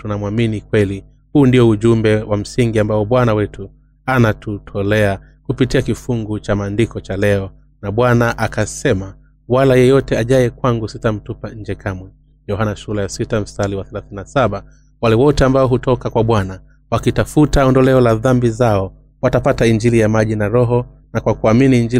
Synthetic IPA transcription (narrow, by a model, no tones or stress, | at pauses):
tunamwaminikwɛli | huːndiɔuʄumbɛwam̩siŋɡiambaɔɓwanawɛtu | anatutʰɔlɛa | kupitiakifuŋɡut͡ʃamaːndikɔt͡ʃalɛɔ | naɓwanaʔakasɛma | walajɛjɔtɛaʄajɛkwaŋɡusitam̩tupaɲ̩d͡ʒɛkʰamwɛ | jɔɦanaʃulɛjasitam̩saliwaθɛlaθininasaɓa | walɛwɔtɛambaɔɦutʰɔkakwaɓwana | wakitafutaɔndɔlɛɔlaðambizaɔ | watapataiɲd͡ʒilijamaʄinaɾɔɦɔnakwakuaminiːɲd͡ʒil